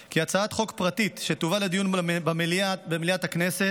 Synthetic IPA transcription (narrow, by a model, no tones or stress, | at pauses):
kiat͡saat̪χo̞kpʁat̪it̪ʃet̪uvaled̪ijunbameliatbemliat̪hakneset